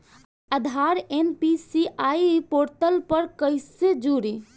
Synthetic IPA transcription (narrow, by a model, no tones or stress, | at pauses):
əd̪ʱaɾenpisiʔajpoɾʈəlpəɾkəɪsed͡ʒuɾi